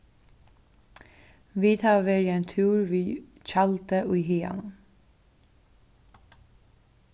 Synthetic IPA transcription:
ʋiːt̪ʰɑːʋeːɹɛnt̪ʰʉːɹʋiːt͡ʃɑlt̪əʔʉːɦiːɑ̰n

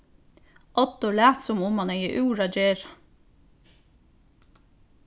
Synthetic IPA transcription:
ʔɑt̪ʊɭæːt̪sɔmʊmɑneɪə̰ʔʉːɹɑd͡ʒeːɾɑ

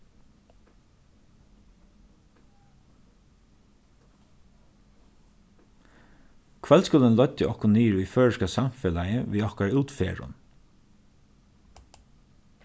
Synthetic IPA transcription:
kʰvɛlskɵlənlœt̪ːəʔɔhkʊniːɾiføːɹəʃkasamfɛlajəʋiːɔhkaɹʉːt̪fḛːɹʊ̰n

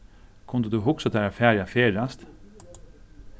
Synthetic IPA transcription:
kʰʊnd̪əd̪uɦʊksad̪ɛːɾafæːɾjafeːɾast̪

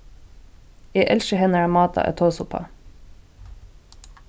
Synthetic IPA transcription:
jeːʔɛlʃəhɛnəɑːmɑːt̪ʰɑ̰ʔɛ̰t̪ʰoːsʊpʰɑ̰

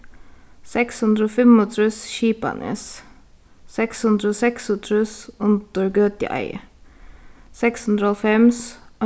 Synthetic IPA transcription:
sɛkshʉnd̪ɾəoːfɛmɔt̪ʰɾʉsʃiːpa̰nʔə̰s | sɛkshʉnd̪ɾəoːsɛksɔt̪ʰɾʉsʊnt̪əɹɡøt̪ɪ̰ʔa̰ɪ | sɛkshʉnd̪ɾəhɔlfɛms

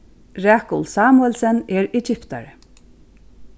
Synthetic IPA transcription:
ɾaːkʊlsaːmʊɛlsɛnɛɹɛt͡ʃɪpt̪a̰ɹ

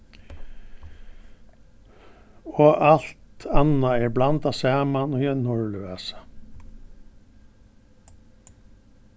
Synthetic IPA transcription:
oːʔɑlt̪ʰɑnɑeːɹblɑnt̪ɑːsæːmɑnɔjɛnʊɹlʉæsɑ̥

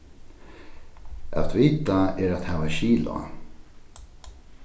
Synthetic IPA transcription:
ʔa̰t̪ʰviːt̪aɛɾat̪hɛːvaɕiːlʊ̰

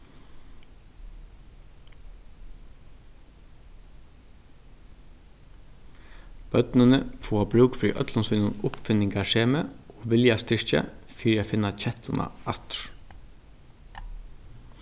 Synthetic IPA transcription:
b̥œd̪nənəfoːɑbɾʉːɡfɾḭːʔœ̰t̪ʰlɑnsʉːnənʊpfʏnɪŋɡɑʃeːməʔoːʋɪljɑst̪ɪɹçə̰fiːɾæfɪnɑc͡çɛt̪ʰɑnʔɑ̰ʔɑt̪ɹ

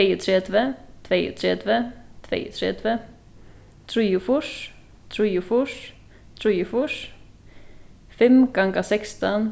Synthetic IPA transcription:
eət̪ʰɾɛd̪ʋət̪ʰʋeːə̰t̪ʰɾɛd̪ʋət̪ʰʋḛːət̪ʰɾɛ̰d̪ʋə | t̪ʰɾiːʊfʊʂ | t̪ʰɾiːʊfʊʂ | t̪ʰɾiːʊfʊʂ | fɛmɡ̥ɑŋɡəsɛkst̪ən

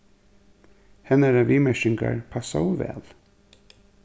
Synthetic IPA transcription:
hɛnɛɾaʋiːmɛʃɪŋka̰ɹpʰasawvɛ̰ːl

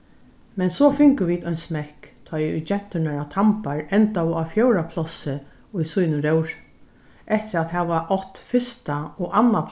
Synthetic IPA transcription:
mɛnsɔfɪŋkəʋiːd̪œʏjnsmɛhkt̪ʰɔjʊ̰jt͡ʃɛn̥t̪ʏnaɹat̪ʰampaɹɛnt̪awʊafjœwɾapʰlɔsɪ | ʊjsujnʊɾœwɹ | ʔɛht̪ɪɾat̪ɦɛːʋaʔɔht̪fɪst̪aɔʔanːap

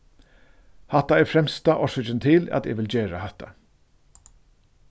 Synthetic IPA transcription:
haht̪aɛɾfɾɛmst̪aʔɔsɪd͡ʒɪnt̪ʰɪlæ̰t̪ɛ̰ʋɪld͡ʑeːɾahɛht̪ːa̰

